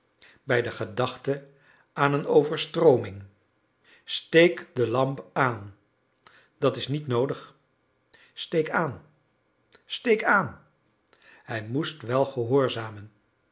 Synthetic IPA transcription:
bɛjdəχədɑχtə | aːnənowvəɹstrowmɪŋ | stejkdəlɑmpaːn | d̥ɑtɪsnitnowdəχ | stejkaːn | stejkaːn | hɛjmustʋɛlˠχəɦʊːɹzaːmən

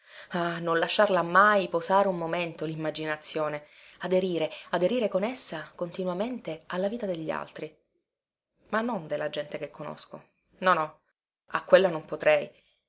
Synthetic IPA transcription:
anonlaʃːarlamːajpozaːɾeumːoment̪olimːad͡ʒinat̪sːjoːnead̪eɾiːɾead̪eɾiːɾekonesːakont̪inwament̪ealːaviːt̪ad̪eʎːia̰lt̪ɾi | manːond̪elːad͡ʒɛnt̪ekekʰːono̰sko̰ | nɔnɔ | a̰kːwelːanompot̪ɾɛj

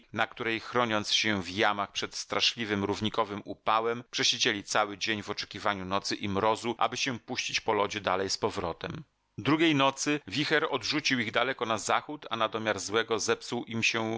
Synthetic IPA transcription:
nak̚t̪uɾɛjxɾɔɲɔnt̪sɕɛvjamaxpʂɛt̪st̪ɾaʂlʲivɘmɾuvɲikɔvɘmupawɛmpʂɛɕed͡ʑelʲit̪sawɘd͡ʑeɲvɔt͡ʂɛ̥kʲivaɲunɔt̪sɘʔimɾɔzuʔa̰bɘɕɛpuɕt͡ɕit͡ɕpɔlɔd͡ʑɛd̪alɛjspɔvɾɔt̪ɛm | d̪ɾuɡʲejnɔt̪sɘvʲixɛɾɔd̪ʐut͡ɕiwiɣd̪alɛkɔnazaxut̪anad̪ɔmʲjaɾzwɛɡɔzɛpsuwʔimɕɛ

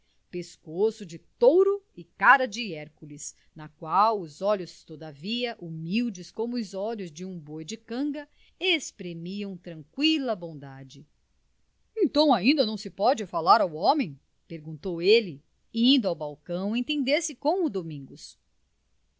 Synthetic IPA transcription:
peskosʊd͡ʒɪt̪owɾʊɪkaɾɐd͡ʒɪɛɾkulɪs | nɐkwawʊzɔʎʊst̪od̪ɐviɐʔumiwd͡ʒɪskõmʊːzɔʎʊzd͡ʒɪũbojd͡ʒɪkɐ̃ɡɐ | espɾemiɐ̃w̃t̪ɾɐ̃ŋkwilɐbõd̪ad͡ʒɪ | ẽt̪ɐ̃w̃aĩnd̪ɐnɐ̃w̃sɪpɔd͡ʒɪfalaɾawɔ̃mẽj̃ | peɾɡũnt̪owelɪ | ĩnd̪ʊawbawkɐ̃w̃ẽt̪ẽnd̪eɾsɪkõmʊd̪omĩŋɡʊs

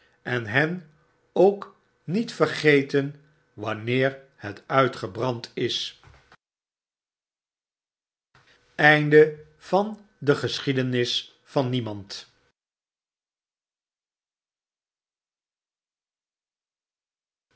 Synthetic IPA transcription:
ɛnɦɛn | owk | nitfəɹχejtən | ʋɑnɪːɹ | hɛtœɥtχəbrɑntɪs | ɛjndəv̥ɑn | dəχəsχidənɪs | fɑnːimɑnt

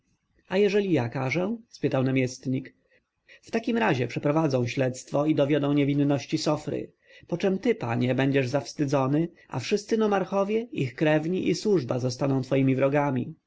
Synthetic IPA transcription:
ajɛʐɛlʲijakaʐɛspɘt̪awnamʲjɛst̪ɲik | ft̪akʲimɾaʑɛpʂɛpɾɔvad̪zɔ̃w̃ɕlɛt̪st̪fɔid̪ɔvʲjɔd̪ɔ̃w̃ɲɛvʲinːɔɕt͡ɕisɔfɾɘ̰ | pɔt͡ʂɛmt̪ɘpaɲɛbɛɲd͡ʑɛʐzafst̪ɘd̪zɔnɘ | a̰fʂɘst̪sɘnɔmaɾxɔvʲjɛixkɾɛvɲiʔiswuʐbazɔst̪anɔ̃w̃t̪fɔjimʲivɾɔɡamʲi

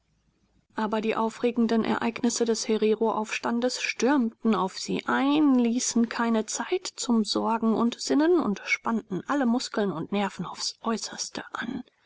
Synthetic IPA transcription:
ʔaːbɐdiːʔaʊfʁ̥eːɡŋ̩dənʔɛ̰ɐʔaɪknɪsədɛsheʁeʁoʔa̰ʊfʃtandəsʃtʏɐmtn̩aʊfz̥ḭːʔaɪnliːsn̩kʰaɪnət͡saɪtt͡sʊmzɔɐɡŋ̩ʊ̰ntz̥ɪnənʊ̰ntʃpanʔn̩ʔaləmʊskl̩nʊntnɛɐfn̩a̰ʊfsʔɔʏsɐstəʔan

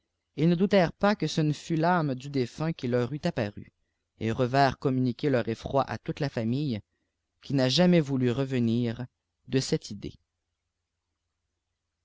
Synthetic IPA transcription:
ilnəd̪ut̪ɛʁpakəsənəfylamd̪yd̪efɛ̃kʲilœʁyt̪apaʁy̰ | ḛʁəvɛːʁkɔmynikʲelœʁefχwaʔa̰t̪ut̪lafamij | kʲʰinaʒamɛvulyʁəvəniːʁ | d̪əsɛt̪ʰid̪ḛ

